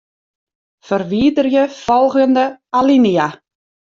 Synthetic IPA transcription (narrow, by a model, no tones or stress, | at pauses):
fərʋiːdərjəfɔlˠɣəndəalinia